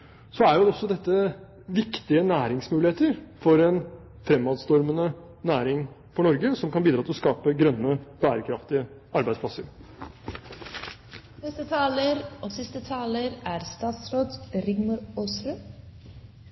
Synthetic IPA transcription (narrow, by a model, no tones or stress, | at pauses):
sɔæɾj̪ɔsɔd̪ɛt̪ːə | ʋɪkt̪ɪənæːɾɪŋsmʉːlɪheːt̪əɾfɔɾɛn | fɾɛmːɑːd̪st̪ɔɾmənə | næːɾɪŋ | fɔɳɔɾɡəsɔmkʰɑnbiːd̪ɾɑːt̪ɪlɔskɑːpəɡɾœnːəb̥æːɾəkʰɾɑft̪ɪə | ɑɾbæɪspʰlɑsəɾ | nɛst̪ət̪ʰɑːləɾʔoːsɪst̪ət̪ʰɑːləɾæːɾst̪ɑːt̪sɾoːd̪ɾɪɡmɑɾoːsɾʉ